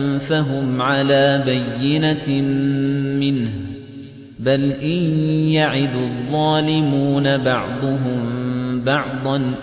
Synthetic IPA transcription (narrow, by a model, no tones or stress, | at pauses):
mfaɦʊmʕalaːbajːɪna | mːɪnh | balʔɪnjaʕɪd̪ðˤːɑːlɪmuːnabɑʕd̪ˤʊɦʊmbɑʕd̪ˤɑn